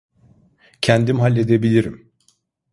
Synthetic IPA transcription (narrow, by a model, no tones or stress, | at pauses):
cʰænd̪imɦalʲːe̞d̪ebilʲiɾḭm